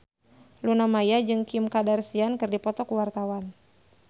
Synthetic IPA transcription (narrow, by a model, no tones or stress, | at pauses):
lunamajad͡ʒɨŋkimkadarsiankɨrdipɔt̪ɔkuwart̪awan